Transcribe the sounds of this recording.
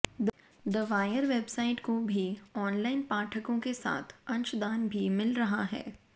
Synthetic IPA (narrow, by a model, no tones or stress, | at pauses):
d̪ | d̪ɐʋaːjəɾʋeːbsaːɪʈkobʱiɔːnlaːɪnpaːʈʰəkõkesa̰ːt̪ʰɐ̃nt͡ʃd̪aːnbʱimɪlɾɐɦaɦɛ̰ː